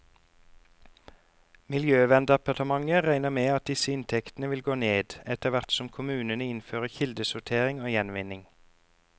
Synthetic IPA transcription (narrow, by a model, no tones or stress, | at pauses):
mɪljøːʋɛnd̪ɛpɑt̪əmɑŋəʁæɪnəmeːɑt̪̚d̪ɪsəɪnt̪ʰɛkt̪n̩əʋɪlɡoːneːd̪ɛt̪əʋæʁt̪sɔmkʰʊmʉːnənəɪnføːʁəçɪld̪əsʊt̪ʰeːʁɪŋoːjɛnʋɪnɪŋ